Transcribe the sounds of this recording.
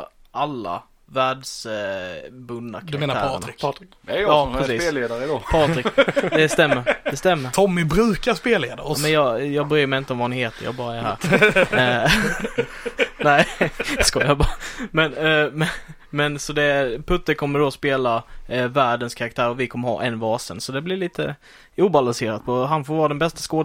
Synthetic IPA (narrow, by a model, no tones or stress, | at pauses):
ʔalːa̰ | væːɖs | bɵnd̪a̰kdʰaɾdaeːnat̪ɾɾnɾɪ | ɛɑːpʰɾɛsiːseːleːd̪aɾəd̪ɑpʰɑːɾɪkd̪ɛst̪ɛmːəɾd̪ɛst̪ɛmːəɾt̪ʰɔmːɪbɾʉ̟ːkaspeːlḛːd̪aɾmɛnjɑːjɑːɡbɛɾyːɾmɛɪjɪnt̪əɔmvɑɛnɪheːt̪əjɑ̰ːɡbɑːɾaæɾɦæ̰ːɾ | ɛɪskɑjabɑːɾamɛnmɛ | mɛnsɔd̪ɛpʰɵt̪ːəɾkʰɔmːəɖɔspeːlavæːɖənskʰaɾak̚t̪ʰæːɾɔvɪkʰɔmːəɾhɑ̰ːʔɛnvɑːsə̰nsɔd̪ɛblɪɾɭiːt̪ʰə | uːbalanseːɾat̪̚pʰɔɦanfoːɾvɑːɾad̪ɛnbɛst̪ḁskoːd̪